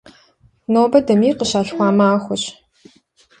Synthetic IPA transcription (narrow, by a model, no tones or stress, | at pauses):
noːbɐdɐmiːqəɕaːɬxʷɑːmaːxʷʊɕ